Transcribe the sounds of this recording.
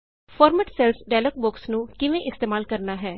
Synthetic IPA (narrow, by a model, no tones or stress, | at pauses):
pʰɔːɾməʈsɛlsɖɛːlək̚bʊksnũːkɪʋẽːʔɪst̪eːmaːlkəɾnaːɦɛː